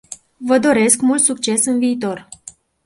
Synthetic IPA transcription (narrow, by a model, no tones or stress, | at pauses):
vəd̪o̞ɾe̞skmult̪sukt͡ʃe̞sɨnviːt̪o̞r